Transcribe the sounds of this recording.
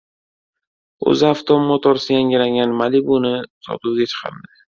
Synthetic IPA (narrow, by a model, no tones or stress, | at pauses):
ɵ̰zɪaft̪ʰomːɒt̪ʰɒɾsɪjaŋɡʲɪlaŋɡʲanmalibunɪsɒ̰t̪ʰuwɡʲat͡ʃʰɨ̥qʰɑ̰ɾd̪ɪ